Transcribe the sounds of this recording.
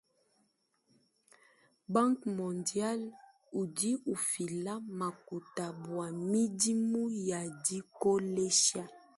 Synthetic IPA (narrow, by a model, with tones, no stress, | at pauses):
bã˦ŋkmɔ˨ndja˦l | u˨di˦u˨fi˨la˦ma˨ku˨ta˨bwa˨mi˦di˦mu˦ja˨di˦ko˦le˦ʃa˦